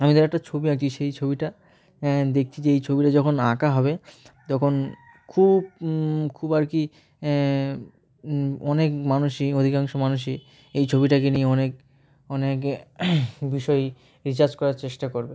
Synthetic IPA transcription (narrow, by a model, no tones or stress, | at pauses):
amid̪aɾɛkʈat͡ɕʰobiak̚t͡ɕʰiʃejt͡ɕʰobiʈa | d̪ek̚ʰt͡ɕʰid͡ʑeejt͡ɕʰobiʈad͡ʑɔkʰona̰kaɦɔbet̪ɔkʰon | kʰubkʰubaɾki | ɔnekmanuʃiod̪ʱikaŋʃomanuʃ̬i | ejt͡ɕʰobiʈak̬enieɔnek | ɔnek | biʃɔe | ɾit͡ɕaɾd͡ʑkɔɾaɾt͡ɕeʃʈakoɾbe